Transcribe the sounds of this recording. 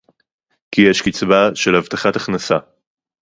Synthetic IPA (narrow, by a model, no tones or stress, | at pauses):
kijeʃkit͡sbaʃe̞lhavt̪aχat̪aχnasa